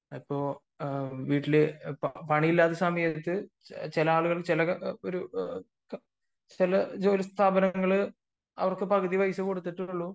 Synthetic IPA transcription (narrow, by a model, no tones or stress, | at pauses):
ɐpːo̞ː | ʋiːʈːilɨppɐɳiilːaːðɨsaːmɐjɐt̪ːɨ | t͡ɕilɐaːɭuɣɐɭt͡ɕilɐkɐoɾu | t͡ɕilɐd͡ʑoːlɐst̪ʰaːbɐnɐŋːɐɭɨ | ɐ̰ʋɐrkɨpɐɡɨðiʋɐjsɨko̞ɽut̪ːiʈːuɭːu